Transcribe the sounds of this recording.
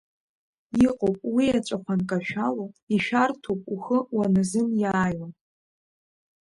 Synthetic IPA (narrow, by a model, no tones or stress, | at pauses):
iqʼopʼwiat͡ʃʷʼaχʷʰankʼaʃᶣaloiʃᶣartʰowpʼuxəwanɨzɨnjaːjan